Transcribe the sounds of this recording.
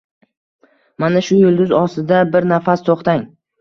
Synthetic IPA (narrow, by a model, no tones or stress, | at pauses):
manaʃʊjʊlˠd̪ʊzɒst̪ɪd̪abɪɾnafast̪ʰoχt̪aŋ